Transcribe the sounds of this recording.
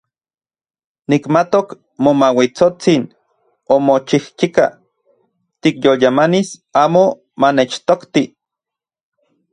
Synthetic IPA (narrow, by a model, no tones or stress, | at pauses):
nikmat̪ok | momawit͡sot͡sin | omot͡ʃihkika̰ | t̪ikjoljamanisaːmo | manet͡ʃt̪okt̪i